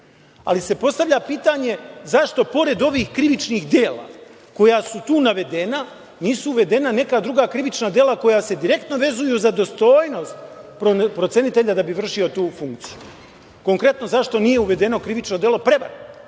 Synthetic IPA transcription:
a̰lise̞po̞st̪aʋʎʲapiːt̪aɲe̞zaʃt̪o̞po̞ɾe̞d̪o̞ʋiːxkɾiʋit͡ʃniːxd̪je̞ːla̰ | ko̞jasut̪uːnaʋe̞d̪e̞na | niːsuːʋe̞d̪e̞nane̞kaːd̪ɾuɡaːkɾiʋit͡ʃnad̪jelako̞jase̞d̪iɾe̞k̚t̪no̞ʋe̞zujuzad̪o̞st̪o̞ːjno̞st̪pɾopɾosenit̪e̞ʎad̪abiʋr̩ʃio̞t̪uːfuŋkt̪siju | ko̞ŋkɾe̞t̪no̞zaʃt̪o̞nije̞uʋe̞d̪e̞no̞kɾiʋit͡ʃno̞d̪jelo̞pɾe̞ʋa̰ɾ

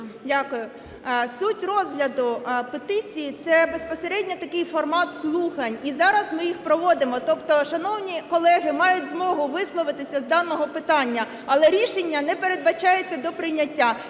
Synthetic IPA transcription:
dʲakʊjʊ | sutʲrɔzɦlʲɐd̪ʊpet̪ɪt͡sʲijit̪sɛbe̞spɔseɾɛdʲnʲɐt̪ɐkɪjfɔrmɑt̪slˠuxɐnʲizɑɾɐzmɪjixpɾɔʋɔd̪ɪmɔt̪ɔpt̪ɔʃɐnɔwnʲikɔlˠɛɦɪmɑjʊtʲzmɔɦʊʋɪslˠɔʋɪt̪ɪsʲɐzd̪ɑnɔɦɔpɪt̪ɑnʲːɐ | ɐlˠɛɾʲiʃenʲːɐnɛpeɾe̞d̪bɐt͡ʃɑjet͡sʲːɐd̪ɔpɾɪjnʲːɐtʲːa

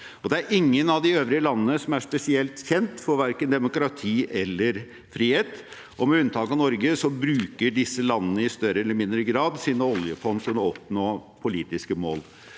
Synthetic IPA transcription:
ɔd̪ɛæɾʔɪŋːənɑʋd̪ɪøːʋɾɪəlɑnːənəsɔmæʂpɛsɪɛlt̪çɛnt̪fɔɾʋæɾkənd̪ɛmʊkɾɑt̪ʰiːʔɛlːəɾ | fɾiːheːt̪ | ʔɔmɛʉnt̪ʰɑːkɑnɔɾɡəsɔbɾʉːkəɖɪsːəlɑnːənəɪst̪œɾəɛlːəɾmɪnd̪ɾəɡɾɑːd̪siːd̪nɔɔljəfɔnːsʊnɔɔpnoːpʰʊliːt̪ɪskəmo̰ːl

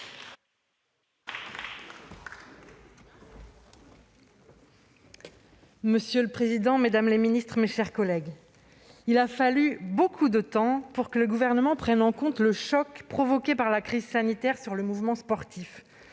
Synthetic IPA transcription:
məsjøləpχezid̪ɑ̃med̪amleminist̪χmeʃɛʁkɔlɛɡ | ilafalybokʰud̪ət̪ɑ̃puʁkələɡuvɛʁnəmɑ̃pχɛnɑ̃kɔ̃t̪ləʃɔkpχɔvɔkʲepaʁlakχizsanit̪ɛʁsyʁləmuvmɑ̃spɔʁt̪ʰif

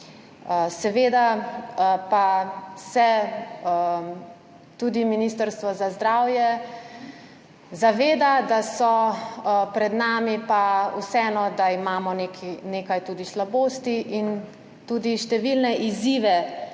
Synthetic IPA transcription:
sɛʋeːd̪a | pasɛ | t̪uːd̪iminiːst̪əɾst̪ʋɔzazd̪ɾaːwjɛ | zaʋeːd̪ad̪asɔ | pɾɛd̪naːmipausɛɛnɔd̪aimaːmɔnekʰineːkajt̪ud̪islaboːst̪iʔin | t̪uːd̪iʃt̪ɛʋilnɛʔiziːʋɛ

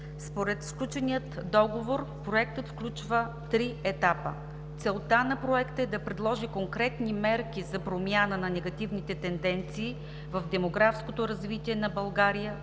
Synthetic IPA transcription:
spoɾɛt̪sklʲut͡ʃɛnijət̪d̪ɔɡovoɾpɾoɛk̚t̪ət̪fklʲut͡ʃvə | t̪ɾiɛt̪apə̰ | t̪sɛlˠt̪anɐpɾoɛkt̪əɛd̪ɐpɾɛd̪lˠɔʒikoŋkɾɛt̪nimɛɾkʲizɐpɾomʲjanənɐnɛɡɐt̪ivnit̪ɛt̪ɛnd̪ɛnt̪siː | vɐvd̪ɛmoɡɾafskot̪oɾɐzvit̪iɛnɐbɐlˠɡaɾijə

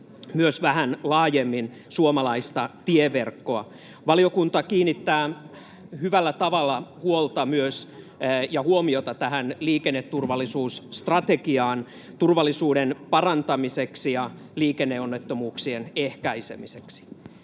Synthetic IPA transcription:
myøsʋæhænlɑːjemːin | suomɑlɑist̪ɑt̪ieʋerkːo̞ɑ | ʋɑliokunt̪ɑkiːnːit̪ːæː | hyʋælːæt̪ɑʋɑlːɑhuolt̪ɑmyøs | jɑhuomiot̪ɑt̪æhænliːkenːet̪ːurʋɑlːˑisuːsːt̪rɑt̪ekiɑːn | t̪urʋɑlːˑisuːɾenpɑrɑnt̪ɑmiseksijɑ | liːkenːeonːet̪ːomuːksienehkæisemiseksi̥

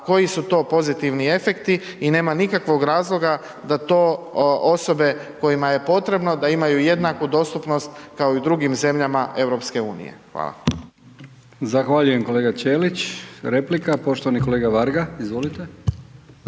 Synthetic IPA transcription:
ko̞jisut̪o̞po̞zit̪iʋnie̞fe̞kt̪iine̞ːmanikakʋo̞ɡɾaːzlˠo̞ɡa | d̪at̪o̞ːʔo̞so̞be̞ko̞jimaje̞po̞t̪ɾe̞bno̞d̪aimajuje̞d̪nakud̪o̞st̪upno̞st̪kao̞id̪ɾuɡimze̞mʎamaʔe̞wɾo̞pske̞uːnḭjḛxʋa̰ːlˠa̰ | zaxʋaːʎujemko̞leːɡat͡ʃeːlit͡ʃɾeplikapo̞ʃt̪oʋanikoleːɡaʋaɾɡaizʋolit̪e

